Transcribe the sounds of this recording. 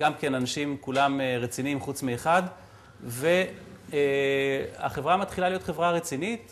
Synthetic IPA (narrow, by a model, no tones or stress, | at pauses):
ɡamke̞nanaʃimkulameʁet͡sinimχut͡smieχad̪ | ve | a̰χe̞vʁamat̪χilalijo̞t̪χe̞vʁaʁet͡sinit̪